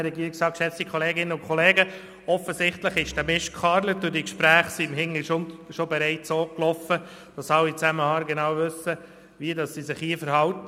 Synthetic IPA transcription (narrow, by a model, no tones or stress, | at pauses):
ɾɛɡiəɾiksɑːkʃɛt͡stikʰχɔleːɡɪnənʊnkχɔleːɡə | ɔfːəzɪχtləχɪʃd̥æmɪʃkʰχɑːɾləd̥ʊɾdikʃpɾæːχsimhɪŋəʃonʃobɛɾɛɪtsoːklɔfə | d̥ɑsɑwit͡sæməhɑːɾɡenɑːwvɵsə | ʋiədɑssisɪχhiːəfəɾhɑwtə